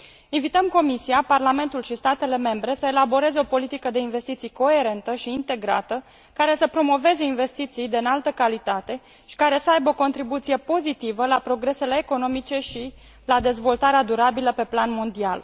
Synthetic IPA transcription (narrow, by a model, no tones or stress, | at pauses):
invit̪əmko̞misiaparlame̞nt̪ulʃist̪at̪e̞le̞me̞mbɾe̞səelabo̞ɾe̞zeo̞po̞lit̪ikəd̪e̞inve̞st̪it̪sijko̞e̞ɾe̞nt̪əʃiːnt̪e̞ɡɾa̰t̪ə | kaɾe̞səpɾo̞mo̞ve̞ze̞inve̞st̪it̪sijd̪eɨnalt̪əkalit̪at̪e̞ | ʃi̥kaɾe̞səajbəoko̞nt̪ɾibut̪sije̞po̞zit̪ivəlapɾo̞ɡɾe̞se̞le̞ːko̞no̞mit͡ʃe̞ʃi | lad̪e̞zvo̞lt̪aɾead̪uɾabiləpe̞planmo̞nd̪ia̰l